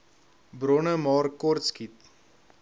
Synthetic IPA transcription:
bɾɔnəmɑːrkɔrtskit̪̚

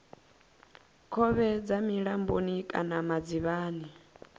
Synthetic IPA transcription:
kʰɔβɛd͡zamiɺambonikʼanamad͡ziβaːni

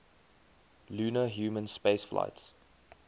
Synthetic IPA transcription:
luːnəɦjuːmə̃nspeɪsflʔa̰ɪts

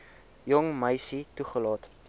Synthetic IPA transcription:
jɔŋməjsituχəlɑːt

